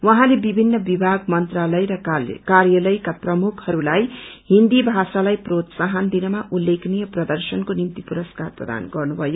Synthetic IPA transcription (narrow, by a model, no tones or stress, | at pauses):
wʌɦãlebibʱinːʌbibʱaɡmʌnt̪ralʌjɾʌkarjʌlʌjkaprʌmukʰhʌɾulajhind̪ibʱasalajprot̪saɦʌnd̪inʌmaʔulːeknijʌprʌd̪ʌrsʌnkonimt̪ipuɾʌskarprʌ̰d̪a̰nɡʌrnubʱʌjo